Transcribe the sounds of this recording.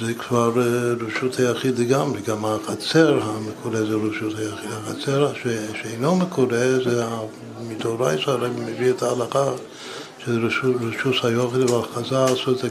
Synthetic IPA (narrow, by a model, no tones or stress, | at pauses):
zekvaɾɾeʃut̪hajaχid̪leɡamɾeɡamaχat͡seɾɦamekʰoɾezeɾeʃut̪hajaχid̪haχat͡seɾaʃeʃeejnomekʰoɾezea | mit̪oɾajsaɾebmevietaːlaχa | ʃeɾɾeʃushajoχilvalχazasot